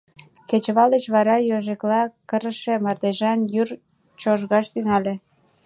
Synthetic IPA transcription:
ket͡ɕβɑlət͡ɕβɑɾɑjoʒeklɑkəɾəʃemɑrd̪eʒɑnjyr | t͡ɕoʒɣɑʃt̪yŋɑle

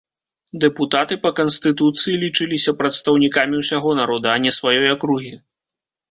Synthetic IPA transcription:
d̪ɛput̪at̪ɨpɐkɐnst̪ɨt̪ut̪sɨjilʲit͡ʂɨlʲisʲɐpɾɐt̪st̪ɐwnʲikamʲiwsʲaɣɔnaɾɔd̪ɐːnʲɛsvajɔjɐkɾuɣʲi

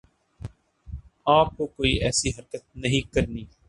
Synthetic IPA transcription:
aːp̚koːkoːḭʔɛːsiɦəɾkət̪̚nəɦĩːkəɾniː

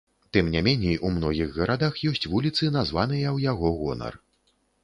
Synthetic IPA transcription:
t̪ɨmnʲɛmʲɛnʲejumnɔɣʲiɣɣɐɾʔad̪axjɔsʲt͡sʲvulʲit̪sɨnazvan̪ɨjɐwjaɣɔɣɔ̰nɐ̰r

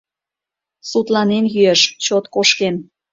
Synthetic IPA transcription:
sut̪lɑnenjyeʃt͡ɕot̪koʃken

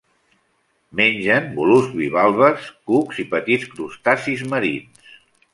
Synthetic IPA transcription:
menʲʒənbuluzβiβalˠβəskukzipət̪itskɾust̪asizməɾins

